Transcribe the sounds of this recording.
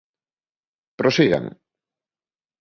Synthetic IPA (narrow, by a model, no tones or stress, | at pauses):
pɾosiɣa̰ŋ